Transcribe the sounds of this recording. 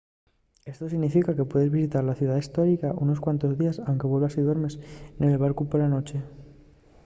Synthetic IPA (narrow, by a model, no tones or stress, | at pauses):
e̞st̪osiɣnifikake̞pwe̞ðe̞zβisit̪aɾlaθjuðaðist̪o̞ɾikaʔuno̞skwant̪o̞zðiasawŋke̞βwe̞lβasiðweɾme̞sene̞lβ̞aɾkupoɾlano̞t͡ʃe̞